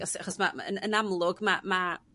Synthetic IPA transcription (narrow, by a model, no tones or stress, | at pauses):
ɔsaχɔsmaə̰nənamlˠʊɡmama